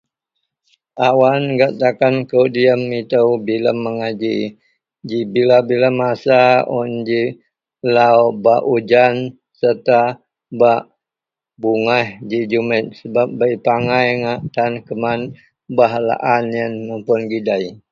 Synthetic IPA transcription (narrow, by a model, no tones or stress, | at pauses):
ʔawanɡaʔt̪akankəwdiəmit̪əwbiləmːəŋad͡ʒi | d͡ʒibilabilamasaund͡ʒi | lawbaʔud͡ʒan | sət̪a | baʔ | buŋahd͡ʒid͡ʒumət̪̚səbap̚bəjpaŋajŋaʔt̪ankəman | baɦala̰ʔanjənməmpʊnɡidaj